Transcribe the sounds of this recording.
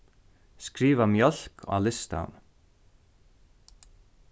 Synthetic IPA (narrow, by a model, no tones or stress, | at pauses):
skɾiːvamjœl̥kʰa̰lɪst̪a̰n